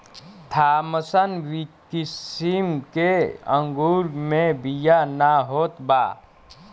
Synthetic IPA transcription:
t̪ʰaːməsənʋikisimkeə̰̃ŋɡuɾmẽbijanaɦot̪ba̰ː

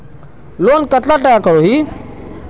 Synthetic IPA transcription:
loːnkət̪laʈəjakəɾoɦiː

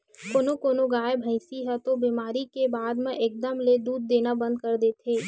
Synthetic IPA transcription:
koːnokoːnoɡaːebʱəɪsiɦɛt̪obiːmaːɾikebaːd̪mẽʔeːk̚d̪əmled̪uːd̪̚ːeːnabə̃nd̪̚kəɾd̪eːt̪ʰeː

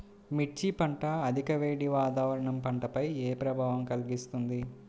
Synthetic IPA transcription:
miʈt͡ʃːipɐɳʈɐːd̪ʱikɐʋeːɽiʋaːt̪aːʋɐɾɐɳɐmpɐɳʈɐpɐjeːpɾɐbʱaːʋɐmkɐlɡist̪und̪i

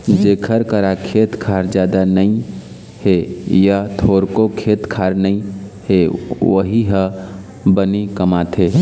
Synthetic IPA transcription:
d͡ʒeːkʰəɾkəɾakʰet̪kʰaɾd͡ʒjad̪anəĩ | hejat̪ʰoːɾkokʰet̪kʰaɾnəĩhewəɦiɦə̃ | bənikəmat̪ʰɦe

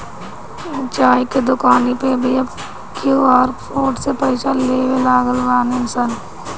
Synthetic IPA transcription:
t͡ʃaːiked̪ʊkaːnipebʱi | kʰjuːɔːɾpʰoːʈsepɐɪʃaleːwelaːɡəlɾaːnɪmsən

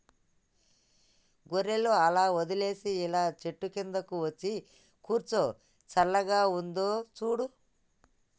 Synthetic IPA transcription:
ɡuɾeluɐlaːod̪ileːsiilaːt͡ʃeʈːukend̪ɐkuʋot͡ʃːi | kuːɾt͡ʃo | t͡ʃɐlːɐɡaːund̪oːt͡ʃuːɽu

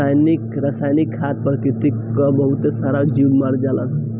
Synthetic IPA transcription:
ajnikɾasajnikʰːat̪̚pɾəkɾit̪ikːəbəɦut̪esaɾad͡ʒibmaɾd͡ʒalə̰n

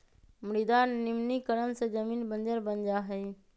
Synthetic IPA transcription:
mɪɽid̪aːnːɪmnikəɾənsẽd͡ʒəmiːnbənd͡ʒəɾbənd͡ʒaːɦɛi

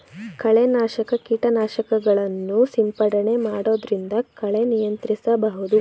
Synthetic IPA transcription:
kɐɭenaːʃɐkɐkiːʈɐnaːʃɐkɐɡɐɭɐnːusimpɐɽɐne̞maːɽo̞ːd̪ɾind̪ɐkɐɭe̞nijɐnt̪ɾisɐbɐɦud̪u

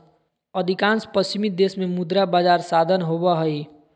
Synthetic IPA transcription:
əd̪ʱikãːnspəst͡ʃimid̪esmẽmud̪ɾabaːd͡ʒaːɾsad̪ʱənɦobəɦəi

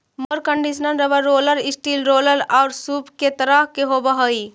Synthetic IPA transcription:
məɾkəɳɖisnənɾəbəɾoləɾisʈilɾoləɾaʊɾsupket̪əɾaɦkeɦobəɦəj

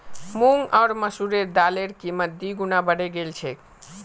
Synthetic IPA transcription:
muŋɡɔːɾməsuɾed̪aleɾkiməd̪iɡunabəɽeɡelt͡ʃʰɛk

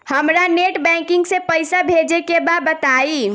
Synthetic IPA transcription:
həmɾaneʈbɛ̃ŋkɪ̃ŋɡsepəɪsabʱed͡ʒekebad̪̚bət̪ai

